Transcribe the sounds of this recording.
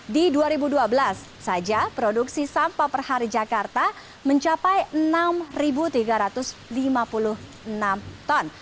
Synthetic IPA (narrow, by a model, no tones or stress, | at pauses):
diduaɾibuduabəlasːad͡ʒapɾoduksisampapərhaɾid͡ʒakart̪a | məɲt͡ʃapajənamribut̪iɡaɾat̪ʊslimapulʊh | ənamt̪ɔn